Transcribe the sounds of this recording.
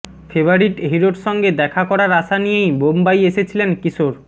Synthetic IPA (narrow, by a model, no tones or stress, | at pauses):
febʱoɾiʈɦiɾoʈʃɔŋɡed̪ɛkʰakɔɾaɾaʃanijejbombajeʃet͡ɕʰilenkiʃoɾ